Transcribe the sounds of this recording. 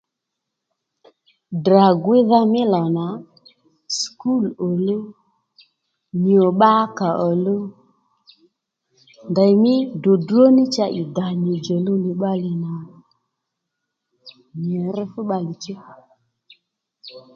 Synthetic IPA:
dɾa˨ɡwɪ˦ða˧mɪ˦la˨na˨ | sku˦˨lo˨lo˦ | ɲi˨o˨ɓa˦ka˨ʔɔ˨lo˦ | nda˨jmɪ˦do˨du˦o˦nɪ˦t͡ʃa˧ʔɪ˨da˨ni˨d͡ʒɔ˨lo˦nɪ˨ɓa˦lɪ˧na˨ | ɲi˨ɾɪ˦fʊ˦ɓa˧li˨t͡ʃɪ˦˨

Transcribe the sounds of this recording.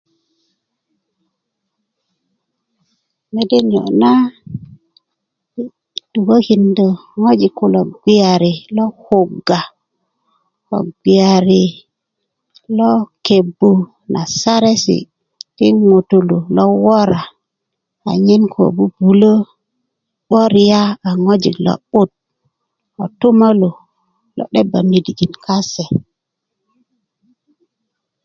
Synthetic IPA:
me˨de˦njo̰˨na˦ | du˨ɡo˦ki˨ndo˨ŋo˦d͡ʒi˨ku˨lo˨ɡʷi˦a˨ɾi˨lɔ˦ho˨ɡa˨ | ɔ̰˨ɡʷi˨a˨ɾi˨ | lɔ˦ke˨bu˨ | nʔa˨sa˦ɾe˦sḭ˨ | ti˦ŋo˨tu˨lu˨lɔ˦wo˦ɾa˨ | a̰˨ɲi˦nkʰo̰˨bu˦b̥u˨lo˦ | ɓo˦ɾi˨ja˦a˨ŋo˦d͡ʒi˨klɔ̰˦ɓu˦t̚ | o̰˨tu˦ma˦lu˨ | lɔ̰˦ɗe˦ba˨mi˨di˨ɡi˨nka˦se˨

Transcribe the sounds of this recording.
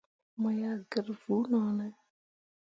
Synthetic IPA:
mɔ˨ja˨ɡə˨ɾvu˨˦nɔ˨nɛ˦

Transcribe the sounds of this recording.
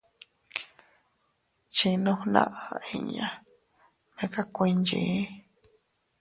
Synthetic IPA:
t͡ʃi˧nõ˧˦nã̰˦ʔa˨e˧˨ɲã˨ | mẽ˧˦ka˦kʷĩ˧nd͡ʒi˧˨˦

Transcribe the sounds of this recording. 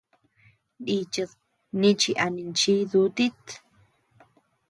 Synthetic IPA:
ɗi˧t͡ʃɨ˧ð | nĩ˦t͡ʃi˧ʔa˨nĩ˧nt͡ʃi˦ðu˧˦t̪i˦t̪

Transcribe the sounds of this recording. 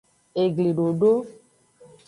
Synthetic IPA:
e˨ɡli˨ɖo˨ɖo˦

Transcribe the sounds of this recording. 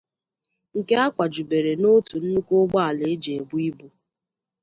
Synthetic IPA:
ŋ̩˨ke˦a˦kʷa˨d͡ʒu˨be˨ɾe˨no˦tu˨n̩˦nu˦ko˦ɡ͡bɔ˦a˨lɪ˨˦d͡ʒe˨e˨bu˦i˦bu˨

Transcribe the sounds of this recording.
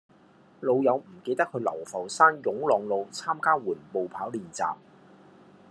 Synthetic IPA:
lo˨˧wjɐ˨˧wm̩˨˩ke˧jt̪ɐ˥kʰɵ˨˧lɐ̰˨˩wfɐ˨˩wsaː˥njʊ˨˥ŋlɔː˨ŋlo˨˧wt͡sʰaː˥mkaː˥wuː˨˩npo˨wpʰaː˨˥wliː˨nt͡sa̰ː˨p̚

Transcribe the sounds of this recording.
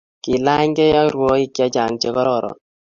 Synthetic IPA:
ki˨la˦ɲɡɛ˦ja˦ɾwɔ˦i˦kja˦t͡ʃa˨ŋt͡ʃe˦kɔ˦ɾɔ˨ɾɔ̰˨n

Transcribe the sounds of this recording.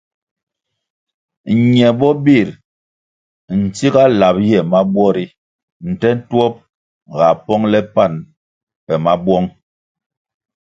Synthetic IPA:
ɲɛ˨bɔ˦bi˦˨ɾ | n̩˨ti˦ɡa˦la˨p̚jɛ˦˨ma˦bwɔ˦ɾi˦ | n̩˨tɛ˦n̩˦twɔ˦p̚ | ɣa˨pɔ˦ŋlɛ˦pa˦˨n | pɛ˨ma˦bwɔ˦ŋ

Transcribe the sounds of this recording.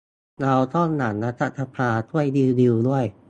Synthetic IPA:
ɾa˧wt̪ʰɔ˥˩nːa˩˦nːa˦˥t̪ʰa˦˥t̪ʰa˧pʰaː˧t̪ʰu˥˩əjdi˧di˧wdu˥˩əj

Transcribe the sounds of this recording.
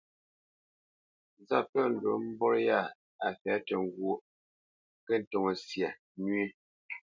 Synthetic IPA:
za˦˨pə˦˨n̩˨do˨˦m̩˦bɔ˦ɾja˦˨ | a˨fɛ˨˦tɛ˨ŋ˦˨ɡwo˦˨ʔ | kɛ˦n̩˨to˨ŋo˨sja˨ | nɥe˦

